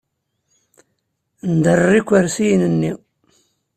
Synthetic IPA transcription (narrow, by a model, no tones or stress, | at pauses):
nd̪ərːikʷːəɾsijnənːi